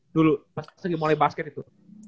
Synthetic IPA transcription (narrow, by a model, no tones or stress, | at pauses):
dulubaskasəɡimolajibaskɛt̪it̪u